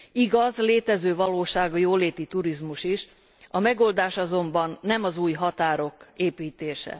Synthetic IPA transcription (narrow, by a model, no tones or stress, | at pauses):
iɡɒzleːt̪ɛzøːvɒloːʃaːɡɒjoːleːt̪it̪uɾizmuʃiʃ | ɒmɛɡo̞ld̪aːʃɒzo̞mbɒnːɛmɒzuːjɦɒt̪aːɾo̞keːpiːt̪eːʃɛ̰